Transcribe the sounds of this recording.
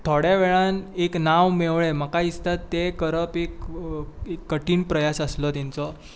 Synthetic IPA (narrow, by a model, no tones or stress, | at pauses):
t̪ʰoɽjaʋeɭaneknaʋmeʋɭeməkaist̪at̪ːekəɾəpek | ekːəʈiːnpɾəjasəslɔt̪ɛ̃nt͡sɔ